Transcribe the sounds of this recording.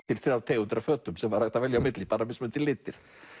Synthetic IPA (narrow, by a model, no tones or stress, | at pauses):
t̪ɪlθɾjawt̪ʰeːɣʏnt̪ɾafœːt̪ʏmsɛmvaɾ̥aht̪avɛljawmɪt̪lɪpaːɾnamɪsmɛnt̪ʰɪlːɪːt̪ɪɾ̥